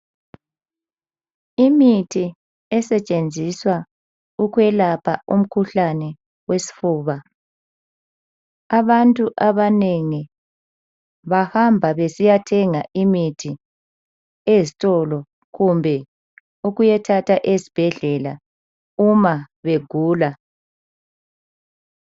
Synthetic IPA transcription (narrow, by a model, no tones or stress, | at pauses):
imitʰi | ɛsɛt͡ʃʼend͡zʱiswa | ukwɛlapʰaum̩kʰuɬanɛ | wesi̥fuːβa | aβantʼuʔaβaneŋi | βahambʱaβesijatʰɛŋaʔimitʰi | ezitʼɔlɔ | ɣumbʱɛ | uɣujɛtʰatʰaʔezib̥ʱɛɮɛla | uma | βeɡ̥ʱuːla